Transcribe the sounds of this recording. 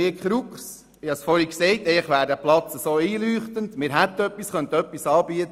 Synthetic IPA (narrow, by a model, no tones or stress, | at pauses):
ɪkχɾukχs | ɪhɑsfɔɾhiksɛɪtɛːχʋæːɾdæplɑt͡səsoːiːlyːχt̪əndmɪːɾɦæt̪œpːisχœnt̪əœpːisɑːb̥iət̪